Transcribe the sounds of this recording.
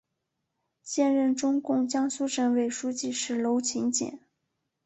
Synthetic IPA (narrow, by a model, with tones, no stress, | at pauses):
ɕjɛ˥˧nɻə˥˩nʈ͡ʂʊ˥ŋkʊ˥˩ŋt͡ɕjɑ˥ŋsu˥ʈ͡ʂə˧˥˩nwe˨˩ɪʂu˥t͡ɕi˥˧ʂɻ̩˥˩lo˧˥ʊt͡ɕʰi˧˥ŋt͡ɕjɛ̰˨˩˦n